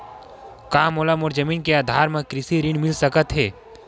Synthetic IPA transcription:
kaːmoːlamoːɾd͡ʒəmiːnkeaːd̪ʱaːɾmẽkɾɪsiɾɪɳmɪlsɐkət̪ɦɛː

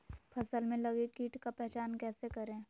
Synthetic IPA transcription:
pʰɐsəlmẽlɐɡekiːʈkapɛɦt͡ʃaːnkɛːsekɐɾẽː

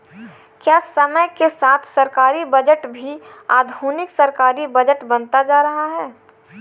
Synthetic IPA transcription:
kjaːsəməjkesaːt̪ʰsɐɾkaːɾibɐd͡ʒəʈbʱiaːd̪ʱuːnɪksɐɾkaːɾibɐd͡ʒəʈbənt̪ad͡ʒaːɾɐɦaɦɛː

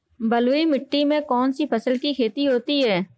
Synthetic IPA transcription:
bəlwimɪʈːimẽkɔːnsipʰəsəlkikʰeːt̪iɦoːt̪iɦɛː

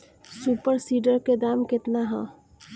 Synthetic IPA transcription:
suːpəɾsiːɖəɾked̪aːmkɪt̪naɦã̰ː

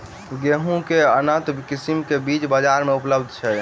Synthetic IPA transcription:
ɡeɦũkeənə̃t̪kisimkebit͡ʃbəd͡ʒaɾmeupləbd̪ʱt͡ʃʰɛ

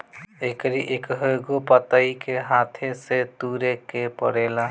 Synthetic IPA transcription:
ekɾiʔekɦəɡopət̪aikeɦaːt̪ʰeset̪uːɾekepə̰ɽeːla

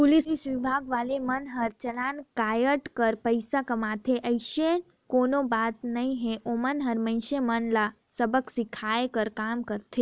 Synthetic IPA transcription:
pʊlisisʋibʱaɡʋalemənɦəɾt͡ʃəlankajəʈkəɾpəjsakəmat̪ʰeʔəjʃe | konobat̪nəɦĩɦeʔomənɦəɾmə̃ɪ̃ʃemənlasəbəksikʰaekəɾkamkəɾt̪ʰe

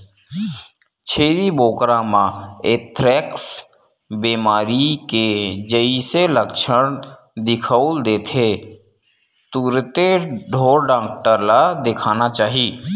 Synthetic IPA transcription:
t͡ʃʰeːɾiboːkɾãmãeːt̪ʰɾɛːks | biːmaːɾiked͡ʒəiseləkʃəɽ̃ | d̪ɪkʰəʊld̪eːt̪ʰe | t̪uːɾt̪eɖʱoːɾɖãːk̚ʈəɾlad̪ɪkʰaːnat͡ʃaːɦi

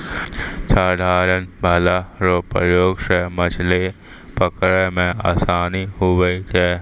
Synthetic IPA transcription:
t͡ʃʰaːɖʱaːɾənbʱəlaɾopəjoːɡʃəmət͡ʃʰle | pəkɾɛmẽa̰ːsaːniɦoʋəit͡ʃɛː

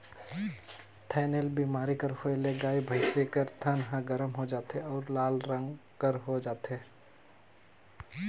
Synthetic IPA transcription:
t̪ʰɛːnelbiːmaːɾikəɾhoeleɡaːibʱəɪsekəɾt̪ʰənɦãɡəɾəmɦod͡ʒaːt̪eɔːɾlaːlɾə̃ŋɡkəɾɦod͡ʒaːt̪ɦeː

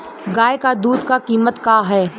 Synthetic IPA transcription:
ɡaːekad̪uːd̪kakiːmət̪kaːɦɛː

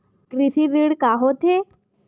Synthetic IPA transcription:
kɾisiɾiɽkaɦot̪ʰe

